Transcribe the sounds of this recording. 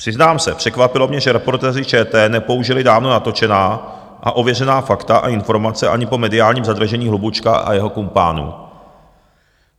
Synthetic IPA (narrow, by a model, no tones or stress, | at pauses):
pr̝̥ɪznaːmsɛpr̥ɛkvapɪlo̞mɲɛʒɛɾɛpo̞ɾt̪ɛːrɪt͡ʃɛːt̪ɛːnɛpo̞uʒɪlɪdaːvno̞nat̪o̞t͡ʃɛnaː | ʔa̰ʔo̞vjɛrɛnaːfakt̪aʔa̰ɪnfo̞ɾmat͡sɛʔa̰ɲɪpo̞mɛdɪaːlɲiːmzad̪ɾraʒɛɲiːɦlubut͡ʃkaʔa̰jɛɦo̞kumpa̰ːnṵː